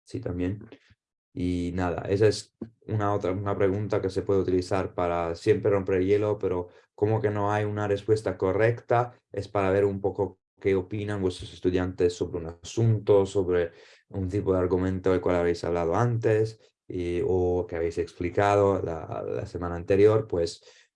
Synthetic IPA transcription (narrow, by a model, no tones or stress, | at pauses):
sit̪ambjen | inaða̰ʔesaesunaot̪ɾaunapɾeɣunt̪akesepweðeut̪iliθaɾpaɾasjempɾerompeɾeljelopeɾo | komokenoajunarespwest̪akorɛkt̪a | espaɾaβeɾumpoko | keopinanvwest̪ɾosest̪uðjant̪esːoβɾeunasunt̪osoβɾe | unt̪ipoðeaɾɡumẽnt̪oelkwalaβejsa̰βlaðoant̪es | okeaβejseksplikað̞ola̰la̰semanaːnt̪eɾjoɾpwes